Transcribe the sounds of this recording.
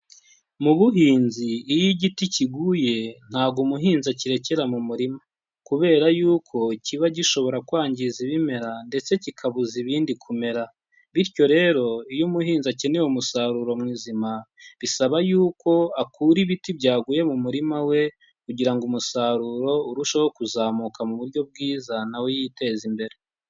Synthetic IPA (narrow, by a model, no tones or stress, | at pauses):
muβuɦiːnziːjiɟiticiɡuːje̞n̥haːɡumuɦiːnzaciɾe̞ce̞ɾamumuɾima | kuβe̞ːɾajuːkʰo̞iciβaɟiʃo̞βo̞ɾakwaːɲɟiziβime̞ɾande̞t͡se̞cikʰaβuziβiːndikʰume̞ɾa | βiɾco̞ɾe̞ːɾo̞ijumuɦiːnzace̞newumusaɾuɾo̞mŋiːzimaβisaβajuːko̞akuːɾiβitibɟaːɡuje̞mumuɾimawe̞ | kuɟiɾaŋɡumusaɾuɾo̞uɾuʃowokuzaːmukamuβuɾɟo̞b̚ɡiːzanawejite̞ːzimbe̞ɾe